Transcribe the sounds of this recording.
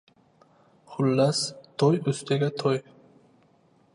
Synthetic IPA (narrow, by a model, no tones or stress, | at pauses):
χʊlːast̪ʰɔjɵst̪ʰeɡʲat̪ʰɔj